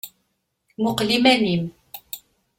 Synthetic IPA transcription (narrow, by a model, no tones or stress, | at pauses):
ŋoqlimænim